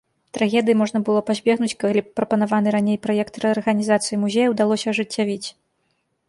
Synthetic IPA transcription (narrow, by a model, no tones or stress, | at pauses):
t̪ɾaɣʲɛd̪ɨjimɔʐnɐbɨlˠɔpazʲbʲɛɣnut͡sʲkalʲipɾɐpɐnavan̪ɨɾanʲejpɾɔjɛkt̪ɾɛɐrɣɐnʲizat̪sɨjimuzʲejɐwd̪alˠɔsʲɐʐɨt͡sʲːavʲit͡sʲ